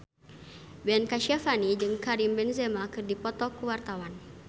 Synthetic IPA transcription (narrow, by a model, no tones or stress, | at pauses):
bɛnkaʃafanid͡ʒɨŋkaɾimbɛnzɛmakɨrdipɔt̪ɔkuwart̪awan